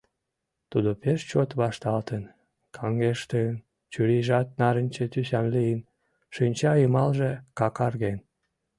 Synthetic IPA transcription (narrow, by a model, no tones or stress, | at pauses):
t̪ud̪opeʃt͡ɕot̪βɑʃt̪ɑlt̪ən | kʰɑŋɡeʃt̪ən | t͡ɕyɾiʒɑt̪̚nɑɾənʲt͡ɕet̪ys̬ɑnlijən | ʃynʲt͡ɕɑimɑlʒekɑkɑrɣen